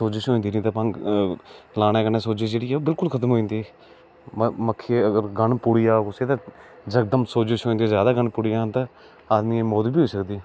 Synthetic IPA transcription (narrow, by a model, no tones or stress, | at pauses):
soːd͡ʒɪʃɦoːĩnd̪iːnĩːt̪aːpãː | laːɽẽːkəneːsoːd͡ʒeːd͡ʒeːɽiːɛːoːbɪlkʊlkʰət̪əmɦoːĩːnd̪iɛ | məkʰːeəɡəɾɡəɳpuɽijaːkʊseːt̪ãːd͡ʒəkd̪əmsoːd͡ʒɪʃɦoːĩnd̪iːzjaːd̪aːɡəɳpʊɽijaːt̪ãː | aːd̪nĩemoːd̪biːɦoːiːsəkd̪iː